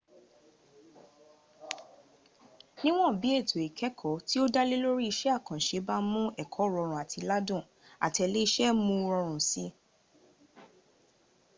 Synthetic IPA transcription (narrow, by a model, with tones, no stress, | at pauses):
nĩ˦w̃ɔ̃˦˨bi˨˦e˦˨tʰo˨e˨kʰɛ˨˦kʰɔ˨˦ti˦o˦da˦le˦lo˦ɾi˦i˧ʃɛ˦a˦˨kã˨ʃe˨˦ba˦mũ˦ɛ˦˨kʰɔ˨˦˨ɾɔ˧ɾ̃ũ˨a˨tʰi˧la˦dũ˦˨ | a̰˨tɛ˧le˦i˧ʃɛ˦mũ˧˦˧ɾɔ˧ɾ̃ũ˨si˦